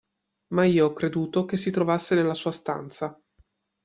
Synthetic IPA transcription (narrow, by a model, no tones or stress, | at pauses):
maiːoɔkːɾed̪uːt̪ok̟esːit̪ɾovasːenelːasuːast̪a̰nt̪sa